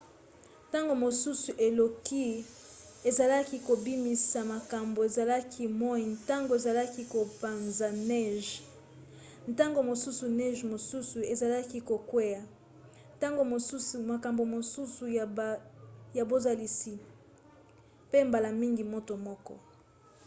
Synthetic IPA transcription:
ta˦ŋɡo˨mo˨su˦su˨ʔe˨lo˨ki˦ | e˨za˨la˦ki˨ko˨bi˦mi˨sa˨ma˨ka˨mbo˨e˨za˨la˦kʰi˦mɔ˦i˨nta˦ŋɡo˨e˨za˨la˦ki˦ko˨pa˨nza˨nɛ˦˨ʒ | nta˦ŋɡo˨mo˨su˦su˨nɛ˦ʒmo˨su˦su˨e˨za˨la˦ki˦ko˨kwe˦ja˨ | ta˦ŋɡo˨mo˨su˦su˨ma˨ka˨mbo˨mo˨su˦su˨ | ja˨bo˦za˨li˨si˨ | pe˦mba˨la˨mi˦ŋɡi˨mo˦to˨mɔ˦kɔ̰˦

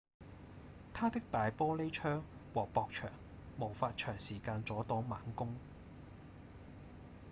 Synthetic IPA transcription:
t̪ʰaː˥t̪ɪ˥k̚t̪aː˨jpɔː˥le˥jt͡ʃʰœː˥ŋwɔː˨pɔː˧k̚t͡ʃʰœ̰ː˨˩ŋ | mo˨˩wfaː˧t̚t͡ʃʰœː˨˩ŋsiː˨˩kaː˧nt͡sɔː˨˥t̪ɔː˨˥maː˨˥nkʊ˥ŋ

